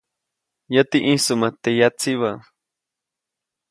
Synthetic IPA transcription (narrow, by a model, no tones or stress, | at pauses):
jat̪iʔĩsumat̪ejat͡siβa